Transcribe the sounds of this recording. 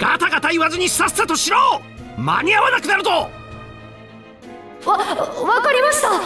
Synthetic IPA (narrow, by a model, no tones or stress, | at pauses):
ɡ̥at̪aɡat̪aiβazɨɲ̟iɕi̥sasɨ̥at̪o̞ɕiɾo̞ː | ma̰ɲ̟iaβanakɯ̟naɾɯ̟t̪o̞ | βaβakaɾʲimaɕi̥t̪a